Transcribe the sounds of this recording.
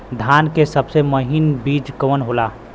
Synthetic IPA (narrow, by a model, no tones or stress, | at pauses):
d̪ʱaːnkesəbseməɦinbiːd͡ʒkoənɦola